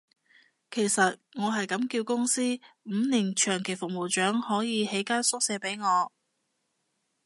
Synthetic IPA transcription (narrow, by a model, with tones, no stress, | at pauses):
kʰe˨˩jsɐ˨t̚ŋɔː˨˧ɦɐ˨jkɐ˨˥mkiː˧wkʊ˥ŋsiː˥m̩ː˨˧niː˨˩nt͡ʃʰœː˨˩ŋkʰe˨˩jfʊ˨k̚mo˨˩wt͡ʃœː˨˥ŋhɔː˨˥jiː˨˧he˨˥jkaː˥nsʊ˥k̚sɛː˨˧˥pe˨˥jŋɔː˨˧